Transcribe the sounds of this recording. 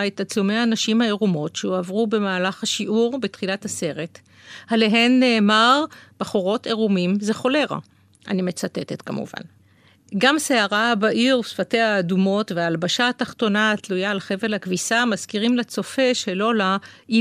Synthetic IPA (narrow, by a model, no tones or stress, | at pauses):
etat͡sume̞aːnaʃimhaeʁumo̞tʃeuavʁube̞maːlaχhaʃiʔuʁbetχilathase̞ʁe̞t | haleɦenːe̞ːmaʁb̥aχoʁo̞tʰeʁumimze̞χo̞le̞ʁa̰ | ʔa̰nimet͡satetetkamṵva̰n | ɡamseaʁabaʔiʁusfate̞haːdumo̞tveaːlbaʃaːtaχto̞natlujaːlχe̞velhakvisamaskiʁimlet͡so̞fe̞ʃelo̞lai